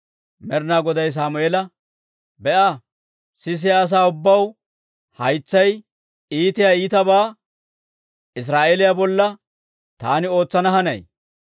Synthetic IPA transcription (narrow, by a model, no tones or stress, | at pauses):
mɛɾnaːɡɔd̪ɐjs̬aːmʊeɛlɐ | bɛʔɐ | sɪs̬ɪjaːs̬aːʊbːɐw | hɐjt͡sːɐj | iːt̪ɪjaːiːt̪ɐbaː | ɪs̬ɾaːʔelɪjabɔlːɐ | t̪a̰ːnɪo̞ːt͡sːɐnɐɦɐnɐ̰j